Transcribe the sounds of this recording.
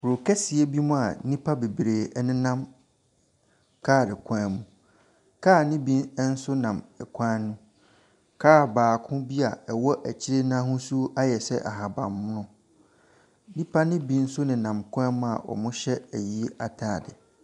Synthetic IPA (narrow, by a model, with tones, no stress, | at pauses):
ɾo˨kʰɛ˦si˨ɛ˦bi˦mũ˦a˨nĩ˦pʰa˦be˨bɾeː˨˦nɪ̃˦nã˦m | kʰaː˦˨dɪ˨kʷʰãː˦mũ˨ | kʰaː˦˨nɪ̃˦bĩ˦nɛ˦n̩˦sʊ˦nã˨mɛ˨kʷʰã˦nũ˦ | kʰaː˦˨baː˨kʰʊ̃˦bi˦a˨ɛ˨wɔ˦ʔæ˨t͡ɕʰɪ˦ɾe˦nãː˦hʊ̃˦su˦a˦jɛ˨sɛ̰˦ʔa̰˨ɦa˨bã˨m˦nʊ̃˦ | nĩ˦pʰa˦nɪ̃˦bĩ˦n̩˦sʊ˦nɪ̃˨nã˨mkʰã˦m̃˦a˨ʔɔ̰˨mʊ̃˦ɕɛ˦æ˨ji˦e˦a˨tʰaː˦˨dɪ˨